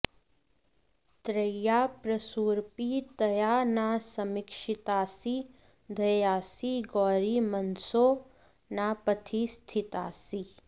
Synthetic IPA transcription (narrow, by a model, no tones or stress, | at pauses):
t̪ɾəjaːpɾɐsuːɾpit̪ɐjaːnaːsɐmɪkʃɪt̪aːsi | d̪ʱɐjaːsiɡɔːɾimɐnsoː | naːpət̪ʰist̪ʰɪt̪aːsi